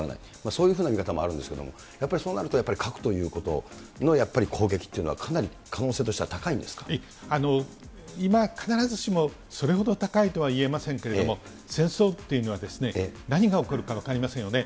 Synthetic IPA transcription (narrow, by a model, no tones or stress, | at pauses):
a̰na̰i | maso̞ːjɯɸɯːnamʲikat̪amo̞̰a̰ɾɯ̟nd̪esɨ̥ke̞d̪omo̰ | japːaɾʲiso̞ːnaɾɯt̪ojapːaɾʲikʰakɯ̥t̪o̞jɯ̟ːko̞t̪o̞̰ | no̞japːaɾʲikʰo̞ːɡe̞kʲi̥ːeiɯ̟no̞βakʰanaɾʲi | kʰano̞ːse̞ːt̪o̞ɕit̪e̞βat̪akaĩnd̪e̞sɨ̥kai | ano̞ | imakʰanaɾazɨɕimo̞ | so̞ɾe̞ɦo̞d̪o̞t̪akait̪o̞βaie̞masẽ̞ŋke̞ɾe̞domo | sẽ̞ɰ̃so̞ːt̪ːe̞jɯ̟no̞βad̪e̞sɨne̞naɲ̟iɡao̞koɾɯ̟kaβakaɾʲimasẽ̞ɰ̃jo̞ne